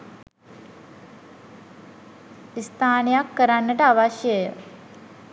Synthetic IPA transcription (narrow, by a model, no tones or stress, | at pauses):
ist̪ʰaːnɐjakːəɾanːəʈəaʋaʃjəjə